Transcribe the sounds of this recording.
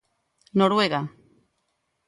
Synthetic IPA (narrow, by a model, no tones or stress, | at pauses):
noɾueɣa